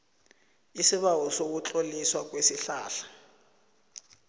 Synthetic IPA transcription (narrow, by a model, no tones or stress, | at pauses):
isiβawɔsok̬ut͡ɬoliswak̬ʼwesiɬaːɬḁ